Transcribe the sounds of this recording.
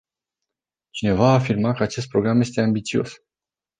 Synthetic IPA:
t͡ʃine̞vaːfirmakəat͡ʃe̞s̬t̪̚pɾo̞ɡɾamje̞s̬t̪e̞ambit̪sio̞̰s

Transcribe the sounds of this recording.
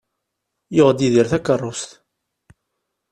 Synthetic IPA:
joʁd̪iðiɾθækːərˤːʊst̪

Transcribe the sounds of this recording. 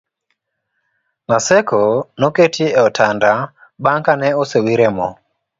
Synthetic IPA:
masɛkɔnɔketʰiɛɔtʰanda | ɓaŋkanɛɔsewiɾɛmɔ

